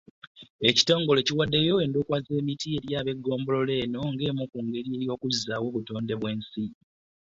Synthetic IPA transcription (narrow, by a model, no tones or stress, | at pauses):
e̞ci̥to̞ːŋɡo̞le̞ciwadːe̞jo̞endukwaze̞ːmitie̞ɾjaːβe̞ɡːo̞ːmbo̞lo̞le̞ːno̞ŋɡe̞ːmukuːŋɡe̞ɾie̞ɾjo̞ːkuzawo̞βuto̞ːnde̞βwe̞ːnsi